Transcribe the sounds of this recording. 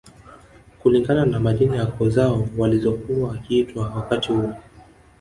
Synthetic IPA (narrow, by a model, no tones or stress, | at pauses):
kuliŋɡananamaʄinajakɔzaɔwalizɔkuwakitwawakatihuɔ